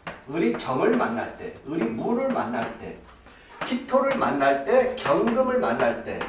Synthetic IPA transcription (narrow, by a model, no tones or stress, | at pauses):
ɯɾit͡ɕʌŋɯɭmanːa̰ɭt͈e̞̰ɯɾimuɾɯɭmanːaɭt͈e̞̰ | pʰitʰoɾɯɭmanːaɭt͈e̞kjʌŋɡɯmɯɭmanːaɭt͈e̞̰